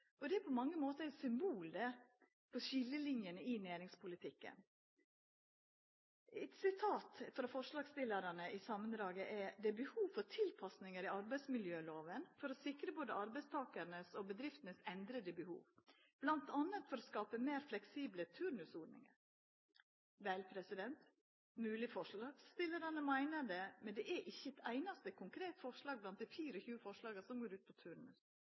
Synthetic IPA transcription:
ʔɔd̪ɛæɾpʰɔmɑŋːəmoːt̪əæɪsʏmbuːld̪ɛ | pʰɔʃɪlːəlɪnjənəɪnæːɾɪŋspʰʊlɪt̪ʰɪkːə̰n | ɛt̪sɪt̪ʰɑːt̪fɾɑfɔʂlɑːɡst̪ɪlːəɾɑnəʔɪsɑmənd̪ɾɑːɡəʔɛd̪ɛbəhuːʋfɔɾt̪ʰɪlpʰɑsnɪŋəɾɪɑɾbæɪsmɪljøːloːʋənfɔɾɔsɪkɾəboːd̪əɑɾbɛɪst̪ʰɑːkəɾnəsɔbəd̪ɾɪft̪ənəsɛnd̪ɾəd̪əbəhṵːʋ | b̥lɑnt̪ɑnət̪fɔɾɔskɑːpəmeːɾflɛksiːblət̪ʰʉɾnʉsoːɖnɪ̰ŋə̰ɾ | ʋæɪlpʰɾɛsɪd̪ɛnt̪ | mʉːlɪfɔʂlɑːɡst̪ɪləɾɑnəmæɪnəɖ̪ɛmɛnd̪ɛʔæɾʔɪçːəɛt̪æɪnɑst̪əkʰʊŋkʰɾeːt̪fɔʂɭɑːɡ̚blɑnt̪̚d̪iːfiːɾəɔçʉːəfɔʂɭɑːɡəsɔmɡoːɾʉːt̪̚pʰɔt̪ʰʉɾɳʉ̰s

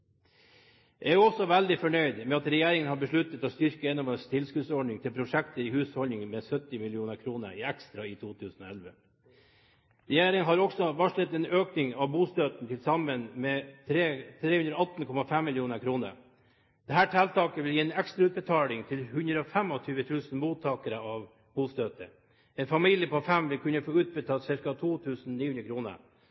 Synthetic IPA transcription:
jæ̰ææjʉɔsɔʋæld̪ɪfɔɳœʏd̪mɛɑt̪ɾɛjeːɾɪŋənhɑbəʂɭʉt̪ːət̪ɔst̪ʏɾkəɛnɔməst̪ʰɪlskʉːd̪sɔɖɳɪŋt̪ʰɪlpʰɾʊʂɛkt̪əɾɪhʉːsfhɔlnɪŋmɛsœt̪ːɪmɪlɪuːnəɾkʰɾuːnə̰ɾɪækst̪ɾɑɪt̪ʰuːt̪ʰʉːsn̩ɔ̰ɛlʋə | ɾɛjeːɾɪŋəɦɑɾɔɡsɔʋɑʂɭɪt̪ːɛːnøːknɪŋɑʋbuːst̪øːt̪n̩t̪ʰɪlsɑmənmɛt̪ʰɾeːt̪ʰɾeːhʉnd̪ɾɔɑt̪n̩kʰɔmɑfɛmːɪljuːnəɾkʰɾuːnə̰ɾ | d̪̥ɛɦæːʈʰælt̪ɑːkəʋɪljiːɛnɛkst̪ɾɑʉːt̪̚bɛt̪ʰɑːlɪŋt̪ʰɪlhʉnd̪ɾəɔfɛmɔt̪ʰyːʋət̪ʰʉːsnmuːt̪ʰɑːkəɾəɑʋ | buːst̪øːt̪ə | ɛnfɑmiljəpɔfɛmʋɪlkʰʉnːəfoːʉːt̪̚bət̪ʰɑːsɪɾkɑt̪ʰuːt̪ʰʉːsn̩niːhʉnɾəkʰɾuːnə̰ɾ

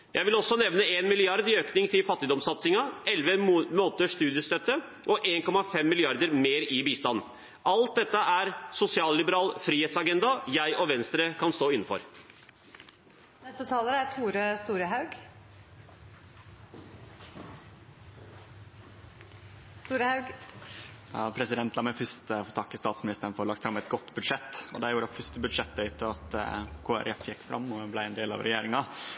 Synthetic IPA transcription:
jʔæɪʋɪlɔsːɔnɛʋnəeːnmɪlɪɑɾd̪ɪøːknɪŋt̪ʰɪlfɑt̪ːɪd̪ɔmsɑt̪sɪŋɑʔɛlʋəmoːnt̪əʂt̪ʉːd̪ɪəst̪œt̪ːə | ʔɔʔeːŋkɔmɑfɛmːɪlɪɑɾd̪əɾmeːɾɪbiːst̪ɑn | ʔɑlt̪̚d̪ɛt̪ːəʔæɾsʊsɪɑːllɪbəɾɑːlfɾiːheːt̪sɑɡɛnd̪ɑjæɪʔɔʋɛnst̪ɾəkʰɑnst̪oːɪnːn̩fɔ̰ɾ | nɛst̪ət̪ʰɑːləɾəæt̪ʰuːɾəst̪uːɾəɦɑʉɡ | st̪uːɾəhɑʉɡ | ɑ̰pʰɾɛsɪd̪ɛnt̪lɑːmɛfʏst̪əfɔt̪ɑkːəst̪ɑːt̪smɪnɪst̪əɾɳ̩fɔɾlɑkt̪fɾɑmɛt̪ɡɔt̪ːbʉd̪ʂɛt̪ːɔ̰d̪ɛjuːɾəɑfʉst̪əbʉd̪ʂɛt̪ːəɪt̪ʰːəɑt̪kʰoːæ̰ɾɛfjɛkːfɾɑ̰mːɔblæɪɛnd̪eːlɑ̰ʋɾʔɛ̰jeːɾɪŋɑ

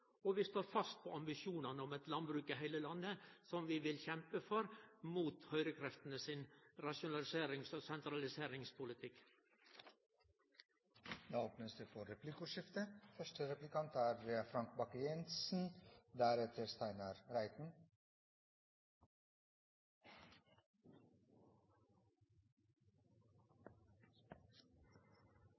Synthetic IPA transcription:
oːʋɪst̪oːɾfɑst̪̚pʰoːɑmbɪʃjuːnɑnəɔmɛt̪lɑnbɾʉːkɪɦæɪləlɑnːəsɔmʋɪːʋɪlçɛmpəfɔɾmuːt̪hœʏɾəkʰɾɛft̪ən̩əsɪnɾɑʃʊnɑlɪseːɾɪŋsoːsɛnt̪ɾɑlɪseːɾɪŋspʰʊlɪt̪ʰɪk | ɑːoːpnəsd̪efɔɾɛplɪkʊʂɪft̪əfœʃʈəɾɛplɪkʰɑnt̪ʰæːɾəfɾɑŋk̚bɑkəjɛnsn̩d̪æɾɛt̪ʰəɾst̪æɪnɑɾɾæɪt̪n̩

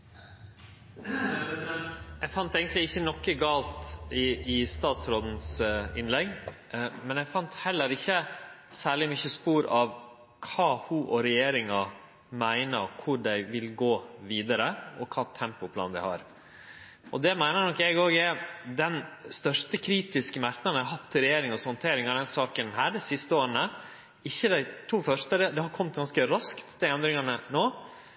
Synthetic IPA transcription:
jɛɡfɑnt̪eɪɡənt̪lɪɪçːənɔkːəɡɑːlt̪ɪɪst̪ɑːt̪sɾoːd̪n̩sɪnlɛɡː | mɛnjɛɡfɑnt̪hɛlːəɾɪçəsæːɭɪmʏçəspuːɾɑʋ | kʰɑːhʊʔɔɾɛjeːɾɪŋɑ | mæɪnəɾkʰʊɖæɪʋɪlɡoːʋiːd̪ɑɾəɔkʰɑːt̪ʰɛmpʊpʰlɑ̰ːnd̪æɪhɑ̰ɾ | ʔɔd̪ɛmæɪnəɾnɔkjæɡoːɡæd̪ɛnst̪œʂt̪əkʰɾiːt̪ɪskəmæɾknɑnɦɑt̪ʰːɪɾɛjeːɾɪŋɑshɔnt̪ʰeːɾɪŋɑd̪ɛnsɑːkənhæːɖɛɪsɪst̪əoːɾnə | ɪçːəd̪æɪt̪ʰuːfœʂt̪əd̪ɛd̪ɛhɑɾkʰɔmt̪̚ɡɑnskəɾɑskt̪d̪æɪɛnd̪ɾɪŋɑnənoː

